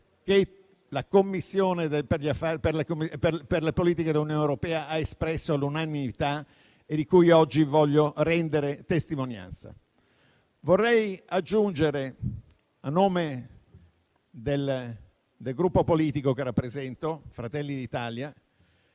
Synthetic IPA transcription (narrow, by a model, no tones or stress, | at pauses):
ke | lakomːisːjoːned̪eperʎiafapelekomːipeperlepoliːt̪iked̪elunjoːnewɾopɛːaaespɾɛsːolunanimit̪a | ed̪ikujɔd͡ʒːivɔʎːorɛnd̪eɾet̪est̪imonja̰nt̪sa̰ | vorːɛjad͡ʒːund͡ʒeɾe | anːoːme | d̪el | d̪elɡɾupːopoliːt̪ikokerːapːɾezɛnt̪ofɾat̪ɛlːid̪it̪aːlja